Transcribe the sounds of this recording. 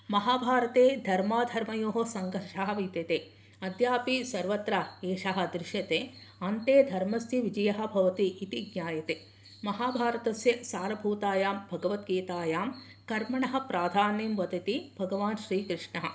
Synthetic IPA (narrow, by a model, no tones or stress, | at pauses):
mɐɦaːbʱaːɾɐt̪eːd̪ʱɐɾmaːd̪ʱɐɾmɐjoːɦɐsɐŋɡɐɾʂaɦɐ̆ʋiːt̪ɐt̪eː | ɐd̪ʱjaːpisɐɾʋɐt̪ɾɐeːʂɐɦɐ̆d̪ɾɪʃjɐt̪eːɐnt̪eːd̪ʱɐɾmɐst̪ʰiʋid͡ʒɐjɐɦɐ̆bʱɐʋɐt̪iʔːt̪iɡɲaːjɐt̪eː | mɐɦaːbʱaːɾɐt̪ɐsjɐsaːɾɐbʱuːt̪aːjaːmbʱɐɡɐʋɐt̪ɡeːt̪aːjaːm | kɐɾmɐɳɐɦɐ̆pɾaːd̪ʱaːniːmʋɐd̪ɐt̪ibʱɐɡɐʋaːnʃɾiːkɾɪʂɳɐɦɐ̰̆